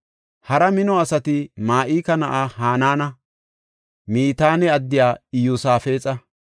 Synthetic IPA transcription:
hɐɾɐmɪnɔɐsɐt̪ɪmaːʔiːkɐnɐʔaːɦaːnaːnɐ | miːt̪aːnɛɐd̪ːɪjaːɪjuːsaːfeːt͡sʼɐ

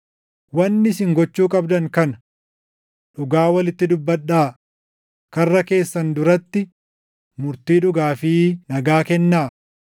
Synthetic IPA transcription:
wɐnːɪsɪŋɡɔt͡ʃːuːkʼɐbd̪ɐŋkɐnɐ | ᶑʊɡaːwɐlɪt̪ːɪd̪ʊbːɐɗːaː | kɐrːɐke̞ːsːɐnd̪ʊɾɐt̪ːɪ | mʊɾt̪iːᶑʊɡaːfiːnɐɡaːkɛnːaː

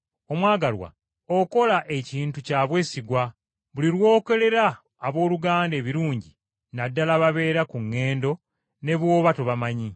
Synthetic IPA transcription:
o̞mwaːɡalwa̰ | oko̞laʔe̞ciːntucaːβwe̞ːsiɡwa | βuliɾwo̞ːke̞le̞ɾaː | βo̞ːluɡaːnde̞ːβiɾuːɲɟi | nadːalaβaβe̞ːɾakuŋːe̞ːndo̞ | ne̞βwo̞ːβato̞βamaɲi

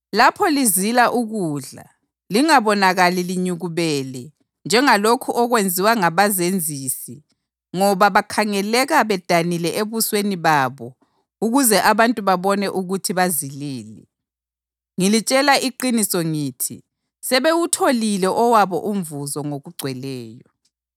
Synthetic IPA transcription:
lapʰɔlizilaʔuɣuːɮa̰ | liŋaβɔnaɣaliliɲuɣuβɛlɛ | nd͡ʒʱɛŋalokʰuʔɔɣwend͡zʱiwaŋaβazend͡zʱisi | ŋɔβaβakʰaŋɛlɛɣaβɛd̥ʱanilɛʔeβusweniβaβɔ | uɣuzɛʔaβantʼuβaβɔnɛʔuɣutʰiβaziliːlɛ̰ | ŋilit͡ʃʼɛlaʔiǃinisɔŋiːtʰḭ | sɛβewutʰolilɛʔɔwaβɔ̰ʔuɱvuzɔŋoɣuɡ͡ǀʱwɛlɛːjɔ

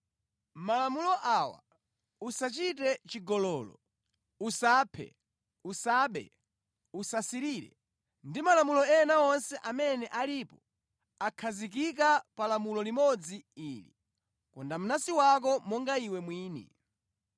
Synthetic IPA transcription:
malamulɔʔawa̰ | usat͡ʃitɛt͡ʃiɡɔlɔːlɔ | usaːpʰɛ̰ | usaːɓɛ̰ | usasiɾiɾɛ̰ | ndimalamulɔɛnaɔnsɛʔamɛnɛʔalipɔ | akʰazik̬ik̬apalamulɔlimɔd͡ziiːlḭ | kɔndam̩unasiwak̬ɔmɔŋɡaiwɛmwiːnḭ

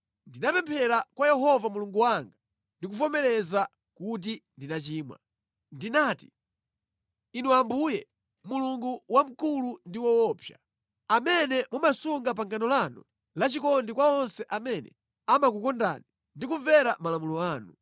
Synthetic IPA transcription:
ndinapɛmpʰɛɾakwajɛɦɔvamuluŋɡuwaŋɡa | ndik̬ufɔmɛɾɛza | kut̬indinat͡ʃiːmwa̰ | ndinaːti | inuwambujɛ | muluŋɡuwam̩kulundiwɔwɔːpʰja̰ | amɛnɛmumasuŋɡap̬aŋkanɔlanṵ | lat͡ʃikɔndikwaɔnsɛʔamɛnɛ̰ | amakukɔnda̰ni | ndikuvɛɾamalamulɔaːnu

